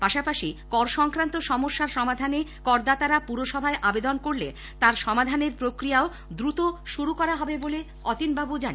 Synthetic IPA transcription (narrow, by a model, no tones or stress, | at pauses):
paʃapaʃikɔɾʃɔŋkɾant̪oʃɔmoʃːaɾʃɔmad̪ʱanekɔɾd̪at̪aɾapuɾoʃɔbʱaeʔabed̪onkoɾlḛ | t̪aɾʃɔmad̪ʱaneɾpɾokɾijao | d̪ɾut̪oʃuɾukɔɾaɦɔbebole | ɔt̪inbabud͡ʑani